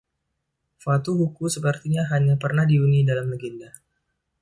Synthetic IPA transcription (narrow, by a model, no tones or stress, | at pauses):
fat̪uɦukusəpərt̪iɲaɦaɲapərnahdiunidalamləɡinda